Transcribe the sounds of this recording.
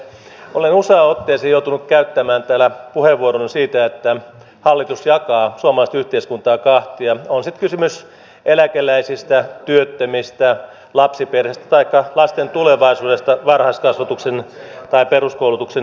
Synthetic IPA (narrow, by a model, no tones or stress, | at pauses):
olenusɑːot̪ːeːsejout̪unukkæyt̪ːæmæːnt̪æːlæpuheʋːuoɾonsiːt̪æet̪ːæ | hɑlːit̪usjɑkɑːsuɑmɑlɑist̪yht̪eiskunt̪ɑːkɑht̪iɑonsit̪kysymys | ʔelækelæisist̪æt̪yøt̪ːømist̪æ | lɑpsiperhest̪æ̥t̪ɑikːɑlɑst̪ent̪uleʋɑisuːdest̪ɑʋɑrhɑskɑsʋɑt̪uksent̪ɑiperuskoulut̪ukse